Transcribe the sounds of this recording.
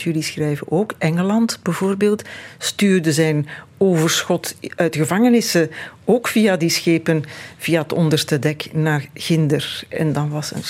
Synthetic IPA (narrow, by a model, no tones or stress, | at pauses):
jɵlisxrɛjvənʔoːkʔɛŋəlɑntbəvoːrbeːlˠtstyːrdəzɛjnoːvərsxɔtœɥtɣəvɑŋənɪsəoːkfijadisxeːpənv̥ijaətɔndərstədɛknaːrɣɪndərɛ̰ndɑnʋɑsə̰n